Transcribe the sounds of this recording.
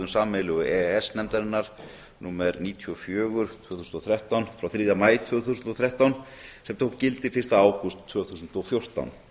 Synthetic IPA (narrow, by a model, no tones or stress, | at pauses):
ʏmsaːmɛlʏɣʏɛɛsnɛmt̪aɾɪnːaɾ̥ | nuːmɛɾniːt̪ʰyɔfjœːɣʏɾ̥t̪ʰvœːθusnɔθʰɾɛht̪awnfɾawθɾiːðamaːjt̪ʰvœːɣθusʏnt̪ɔθɾɛht̪awnsɛmt̪ʰohkcɪlt̪ɪfɪ̥r̥st̪aaːwkʏst̪ʰːœːɣθus̬nt̪ɔfjor̥t̪a̰wn